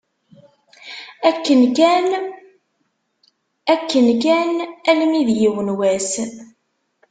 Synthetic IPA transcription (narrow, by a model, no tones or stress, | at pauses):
ækːənæn | ækːənkænælmiðjiwənwæs